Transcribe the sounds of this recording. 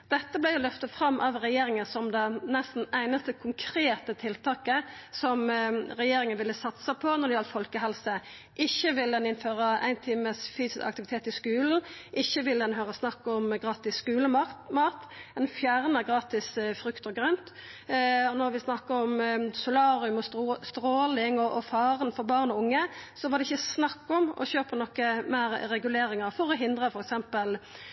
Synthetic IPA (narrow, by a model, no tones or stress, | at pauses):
d̪̥ɛt̪ːəblɪʊlœft̪əfɾɑmːʔɑʋʁɛjeːɾɪŋənsɔmd̪ɛnɛst̪n̩æɪnəst̪əkʰʊŋkʰɾeːt̪ət̪ʰɪlt̪ʰɑːkəsɔmɾɛjeːɾɪŋənʋɪlːəsɑt̪səpʰɔnɔɖ̪ɪjɑlfɔlkəɦɛlsə | ʔɪçːəʋɪld̪ɛnɪnføːʁəæɪnt̪ʰiːməsfyːsɪskɑ̰k̚t̪ɪʋɪt̪ʰeːt̪ɪskʉːln̩ʔɪçːəʋɪld̪ɛnɦøːɾəsnɑkːɔmɡʁɑːt̪ɪsːkʉːləɑmɑːt̪ɛnfjæːʁnəæʁɡɾɑːt̪ɪsfɾʉkt̪əʁɡɾœnt̪ | ɔnɔɾʋɪsnɑkːəɔmsʊlɑːɾɪʉmɔst̪ɾoːlɪŋɔʔɔfɑːʁənfɔɾbɑːʁnɔʊŋːəsɔʋɑʁd̪ɛɪçːəsnɑkːɔmɔ̰çøːpənɔkːəmæɪɾɾɛɡʉleːɾɪŋəɾfɔɾɔɦɪnd̪ʁəfɔɾɛksɛmpəl